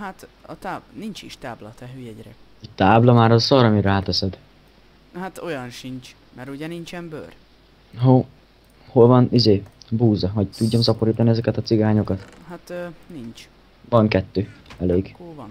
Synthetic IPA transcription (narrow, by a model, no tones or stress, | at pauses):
hat̪ | ɒt̪aːnint͡ʃiʃt̪aːblɒt̪ɛɦøjɛɟɾɛ̰ | it̪aːblɒmaːɾɒsɒɾɒmiɾaːt̪ɛsɛd̪ | hat̪o̞jɒnʃint͡ʃ | mɛɾuɟɛnint͡ʃɛmbø̰r | ɦo | ho̞lvɒnizeːbuːzɒɦɒɟt̪uɟːɒmsɒpo̞ɾiːt̪ɒniɛzɛkɛt̪ɒt̪siɡaːɲo̞kɒt̪ | hat̪nint͡ʃ | vɒŋkɛt̪ːøːɛleːɡkovn